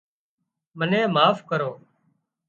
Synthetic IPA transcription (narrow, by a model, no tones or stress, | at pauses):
mənẽːmaːfkəɾoː